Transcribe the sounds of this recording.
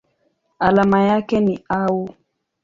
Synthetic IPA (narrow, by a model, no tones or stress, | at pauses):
alamajakɛniau